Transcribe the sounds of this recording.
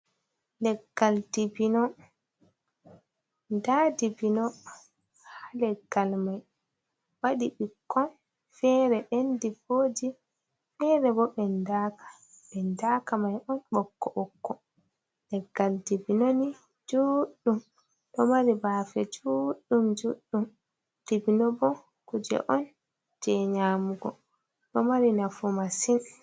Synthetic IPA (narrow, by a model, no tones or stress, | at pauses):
lɛɡːaldibinɔ | ndadibinɔ | halɛɡːalmaj | waɗiɓikːɔn | fɛɾɛɗɛndiboːd͡ʒi | ɓɛɾɛbɔɓɛndakḁ | ɓɛndaːkamajʔɔnɓɔkːɔʔɔkːɔ | lɛɡːaldibinoni | d͡ʒuɗːum | ɗɔmaɾibaːfɛd͡ʒuɗːumd͡ʒuɗːum | d̥ibinɔbɔ | kud͡ʒɛ̰ʔɔn | d͡ʒɛɲaːmuɡɔ | ɗɔmaɾinafumasin